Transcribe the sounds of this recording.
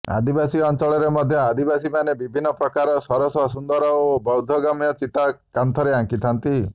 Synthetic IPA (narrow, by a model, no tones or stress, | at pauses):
a̰d̪ibasiɔnt͡ʃɔɭɔɾemɔd̪ʱjɔad̪ibasimanebibʱinːɔpɾɔkaɾɔsɔɾɔsɔsund̪ɔɾɔobɔwd̪ʱɔɡamijɔt͡ʃit̪akant̪ʰɔɾeaŋkit̪ʰant̪i